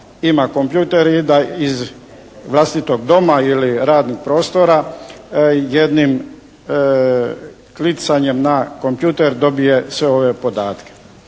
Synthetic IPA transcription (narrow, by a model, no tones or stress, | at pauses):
imako̞mpjuːt̪eɾid̪aiz | ʋlˠast̪it̪o̞ɡd̪o̞mailiɾaːd̪niɡ̚pɾo̞ːst̪o̞ɾa | jed̪nim | klit̪saɲe̞mnako̞mpjuːt̪e̞ɾd̪o̞bije̞sʋe̞o̞ʋe̞po̞d̪aːt̪ke̥